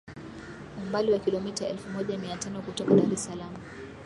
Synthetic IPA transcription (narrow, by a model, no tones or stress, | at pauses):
umbaliwakilɔmitaɛlfumɔʄamiatanɔkutɔkaɗaɾɛsalamu